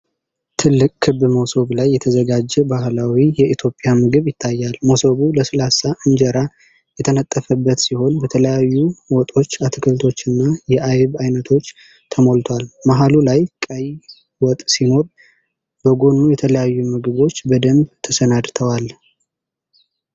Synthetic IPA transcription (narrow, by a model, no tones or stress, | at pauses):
t̪ʰɨlɨkʼkʰːɨbɨmowso̞ɡlajːɛt̪ʰəzəɡad͡ʒːɛbahlawijɛʔit̪ʰjo̞pʼːɪjamɨɡɨβjɪt̪ʰːajːalmosoɡuləsɨlasaʔɨɲd͡ʒəɾa | jɛt̪ʰənət̪ʼːəfəbːət̪siho̞nbət̪ʰələjajːuwɔt̪ʼo̞t͡ʃːat̪ʰɨkʰɨlt̪ʰo̞t͡ʃːɨnːajɛʔajβajnət̪ʰo̞t͡ʃː | t̪ʰəmolt̪ʰwalmaɦalulajkʼəj | wɔt̪ʼsimo̞t̪ʼ | b̥əɡo̞nːujɛt̪ʰələjajːumɨɡɨβo̞t͡ʃːbəd̪əmbt̪ʰəsənad̪t̪ʰəwal